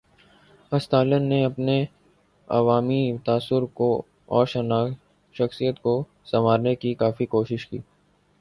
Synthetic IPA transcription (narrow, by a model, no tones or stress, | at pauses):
ɐst̪aːlənːeɐpne | ɐ̰ʋaːmit̪aːsʊɾko | ɔ̰ːɾʃɐna | ʃɐxsijət̪ko | sɐmaːɾnekikaːfikoːʃɪʃkḭː